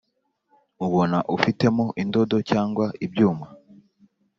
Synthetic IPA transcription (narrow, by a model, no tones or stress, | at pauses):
uβo̞naʔufite̞mo̞ʔindo̞do̞caːŋɡwaibɟuːma